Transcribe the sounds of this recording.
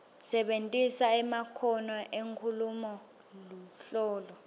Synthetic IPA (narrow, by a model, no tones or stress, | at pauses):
sɛɓentʼisaɛmakʰɔnɔʔeŋkʰulumɔ | luɬɔːlɔ